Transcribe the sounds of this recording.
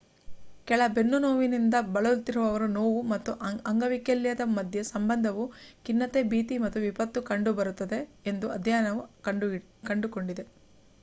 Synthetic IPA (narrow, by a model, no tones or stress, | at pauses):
kɛɭɐbe̞nːunoːʋinind̪ɐbɐɭult̪iɾuʋɐʋɐɾunoːʋumɐt̪ːuʔɐŋɡɐʋikeljɐd̪ɐmɐd̪ʱjɐsɐmbɐnd̪ʱɐʋukinːɐt̪ebiːt̪imɐt̪ːuʋipɐt̪ːukɐɳɖubɐɾut̪ːɐd̪e̞end̪uɐd̪ʱjaːnɐʋuɐ | kɐɳɖuko̞ɳɖid̪e̞